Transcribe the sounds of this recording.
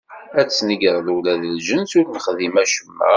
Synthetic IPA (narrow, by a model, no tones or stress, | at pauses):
æt͡sːniɡəɾˤðuwlæðəlʒənsʊɾməχðimæʃəmːæ̰